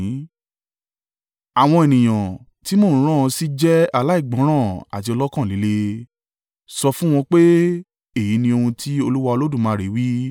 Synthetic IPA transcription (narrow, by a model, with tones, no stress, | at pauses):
a˨w̃ɔ̃˧e˨nĩ˨j̃ã˨ | ti˨˦mõː˦˨˦ɾ̃ã˦˨˧si˦d͡ʒɛ˦a˦la˦i˦˨ɡ͡bɔ̃˨˦ɾ̃ã˦˨a̰˨ti˧ɔ˧lɔ˦kã˦˨li˨˦le˧ | sɔ˧fũ˦w̃ɔ̃˧k͡pe˦ | e˦˨ji˨˦nĩ˧o˧hũ˧tʰi˦o˧lu˦wa˧o˧lo˦dũ˦˨mãː˨˦˨ɾe˨˦wi˦